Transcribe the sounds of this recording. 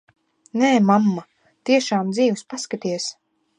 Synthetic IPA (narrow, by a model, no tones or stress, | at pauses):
nɛːmamːa | t̪iɛʃaːmd̪ziːwspaskat̪iɛs